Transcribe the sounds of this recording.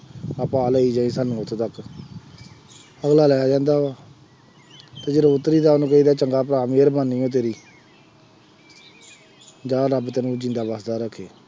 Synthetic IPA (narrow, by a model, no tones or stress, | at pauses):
apãːləːiːd͡ʒãːĩːsənũːʊt̪ʰːt̪ək | əɡlaːlɛːaːd͡ʒãːnd̪aːaː | t̪eːd͡ʒeːɾoːʊt̪ːəɾiːd̪aːnũːkəiːd̪aːt͡ʃəŋɡaːp̬ɾaːmeːɾbaːnːiːõːt̪̬eːɾiː | d͡ʒãːɾəbt̪ɛːnũːd͡ʒɪ̃nd̪aːbəsd̪aːɾəkʰːeː